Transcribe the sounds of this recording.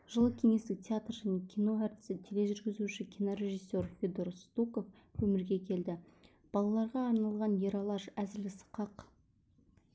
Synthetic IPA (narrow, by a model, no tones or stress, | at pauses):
ʒ̥əlˠəkʲʰe̞ŋe̞st̪ɪk̚tʲʰeat̪rʒæne̞kʲʰijno̞æɾt̪ɪ̥sɪt̪ʰele̞ʒʏɾɡʲɪzuʃɪkʲʰijnoɾʲe̞ʒɨsːe̞rfʲed̪oɾst̪uko̞f | wɵmɪɾɡʲe̞kʲʰe̞ld̪ɪ | b̥ɑlˠɑlˠɑɾʁɑːɾnɑlˠʁɑnjeɾɑlˠɑʃæzɪlɪsə̥qɑq